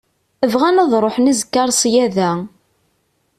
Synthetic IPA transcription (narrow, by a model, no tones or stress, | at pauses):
əvʁænɑðˤɾˤoħnizəkːɑɾˤsjæðæ